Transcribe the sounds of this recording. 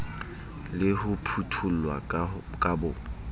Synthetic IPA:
lɪhʊpʰutʰulwa̰ | kʼabʊ

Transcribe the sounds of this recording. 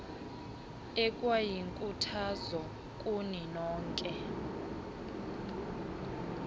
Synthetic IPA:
ɛkʼwajiŋkʼutʰazɔ | kʼuninɔːŋkʼɛ

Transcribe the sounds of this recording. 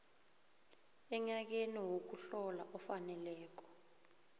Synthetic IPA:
ɛɲak̬eniwok̬uɬɔlaʔɔfanɛlɛːk̬ɔ̥

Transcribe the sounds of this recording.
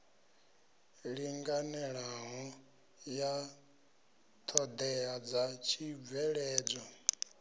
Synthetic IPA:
ɺiŋɡanɛɺaɦɔ | ja | t̪ʰɔd̪ɛad͡zat͡ʃʰib̪vɛɺɛːd͡zʷɔ

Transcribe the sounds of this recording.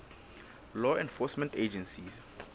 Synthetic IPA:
lɔɛ̃nfɔsmɛ̃nted͡ʒɛ̃nsis

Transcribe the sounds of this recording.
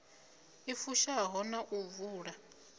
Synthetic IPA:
ifuʃaɦɔnaʔuvuːɺa

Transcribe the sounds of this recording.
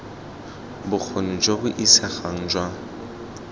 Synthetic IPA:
bʊk͡xʰonʊd͡ʒobʊʔisaχaŋ̩d͡ʒwa

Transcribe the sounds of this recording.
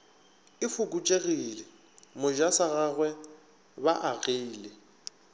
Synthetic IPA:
ɪfʊkʼut͡ʃʼeɣilɪ | mʊʒasaɣaɣwɛ | baʔaɣeilɪ

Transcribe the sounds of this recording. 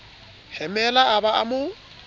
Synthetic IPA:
hɛmɛlaabaʔa̰mʊ

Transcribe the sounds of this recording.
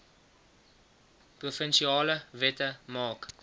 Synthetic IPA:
prufənʃiɑːləvɛtəmɑːk

